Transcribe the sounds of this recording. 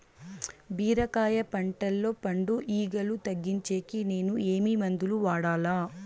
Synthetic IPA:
biːɾɐkaːjɐpɐɳʈɐlːo̞ːpɐɳɖuʔiːɡɐlut̪ɐɡːiɲt͡ʃe̞ːkine̞ːnue̞ːmiːmɐnd̪uluʋaːɽaːlaː

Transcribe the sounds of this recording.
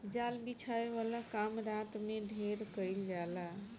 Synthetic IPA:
d͡ʒalbit͡ʃʰaeβalakamɾat̪meɖʱeɾkəjld͡ʒala

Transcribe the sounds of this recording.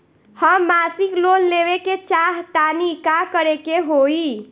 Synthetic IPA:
həmmasiklonleβeket͡ʃaɦt̪anikakəɾekeɦoi

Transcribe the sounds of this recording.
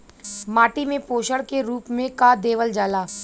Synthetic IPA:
maːʈimẽpoːʃəɽkeɾuːpmẽkad̪eːʋəld͡ʒaːlaː

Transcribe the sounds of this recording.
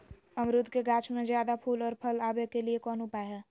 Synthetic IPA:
əmɾʊd̪keɡaːt͡ʃmẽzjaːd̪apʰuːlɔːɾpʰəlaːbekeliekɔːnʊpaɦɛː

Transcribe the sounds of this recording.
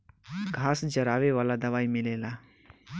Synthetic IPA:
ɡʱaːsd͡ʒɐɾaːʋeʋaːlad̪ɐʋaːimɪleːla

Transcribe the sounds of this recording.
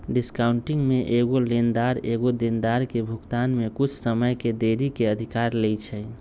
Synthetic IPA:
ɖiskaʊɳʈiŋɡmeʔeɡolend̪aɾeɡod̪ind̪aɾkebʱukt̪anmekut͡ʃʰsəməjked̪eɾikeəd̪ʱikaɾlɛjt͡ʃʰɛ

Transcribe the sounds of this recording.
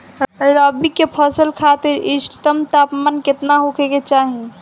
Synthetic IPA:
əɾəbikepʰəsəlkʰat̪iɾisʈt̪əmt̪apmanket̪naɦokʰeket͡ʃaɦi

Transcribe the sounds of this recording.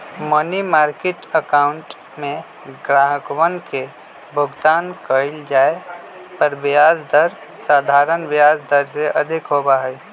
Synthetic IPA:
mənimaːɾkɪʈəkaːʊ̃ɳʈ | mẽ | ɡɾaːɦəkwənke | bʱʊɡt̪aːnkəɪld͡ʒaːe | pəɾʋɪjaːd͡ʒd̪əɾ | saːd̪ʱaːɾənʋjaːd͡ʒd̪əɾseʔɐd̪ʱɪkɦoːbaɦɛj

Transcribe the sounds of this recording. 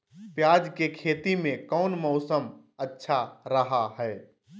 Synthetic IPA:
pjad͡ʒkekʰeːt̪imẽkɔʊnmɔʊsəm | ətːʃʰaɾəɦaɦɛe

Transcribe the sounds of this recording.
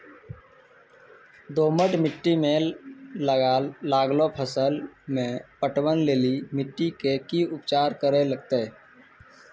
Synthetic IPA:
d̪oːməʈmɪʈːimẽ | ɡalaːɡlopʰəsəlmẽpəʈwənleːlimɪʈːikekiʊpt͡ʃaːɾkəɾeləɡt̪eː

